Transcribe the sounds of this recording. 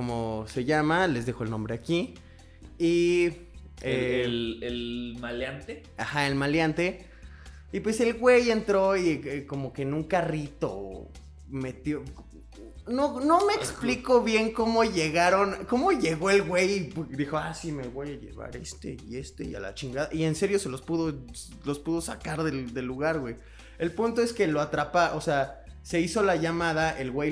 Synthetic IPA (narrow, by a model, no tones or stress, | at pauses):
komose̞ʝamale̞zðexo̞e̞lnombɾe̞aki | i | eelmaljant̪e | axaelmaljant̪e̞ | ipwe̞se̞lɣwe̞je̞nt̪ɾo̞ieko̞mo̞kenũŋkarit̪o̞̰ | me̞t̪jo | nono̞meːkspliko̞βje̞ŋko̞mo̞ʝe̞ɣaɾo̞nko̞mo̞ʝe̞ɣo̞elɣwe̞jd̪ixo̞asimelɣwejaʝe̞̰βa̰ɾe̞̰st̪e̞̰ie̞st̪ḛia̰la̰t͡ʃiŋɡaða̰ʔie̞nse̞ɾjo̞se̞lo̞spuðo | lo̞spuðo̞sa̰kaɾðeld̪e̞lːuɣaɾɣwej | elpunt̪o̞eske̞loat̪ɾapaʔosease̞iso̞laʝamaðaʔe̞lɣwej